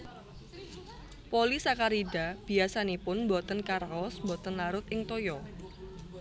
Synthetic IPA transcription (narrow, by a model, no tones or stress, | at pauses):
polisakaɾidab̥i̤asanipʊnmbɔt̪ənkarɔsmbɔt̪ənlaɾʊt̪̚ɪŋt̪ojɔ